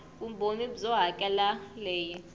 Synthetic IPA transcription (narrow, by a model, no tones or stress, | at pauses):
um̩bonibzɔɦakʼɛlalɛːji